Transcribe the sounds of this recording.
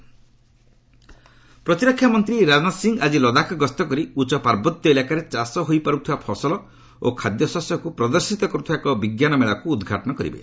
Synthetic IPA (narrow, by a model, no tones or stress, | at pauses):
pɾɔt̪iɾɔkʰːjamɔnt̪ɾiɾanasiŋɡad͡ʒilɔd̪akɔɡɔst̪ɔkɔɾiut͡ʃɔpaɾbɔt̪jɔelakaɾet͡ʃasɔɦojpaɾut̪ʰiwapʰɔsɔlɔ | o̰kʰad̪jɔsɔsjɔkupɾɔd̪ɔɾsit̪ɔkɔɾut̪ʰaekɔbiɡjanɔmeɭakuːd̪ɡʱaʈɔnɔkɔɾḭbḛ